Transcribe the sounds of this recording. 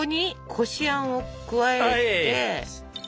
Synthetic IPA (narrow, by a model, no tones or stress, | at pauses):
oɲ̟ikʰo̞ɕiãɰ̃o̞kɯ̟βaee̞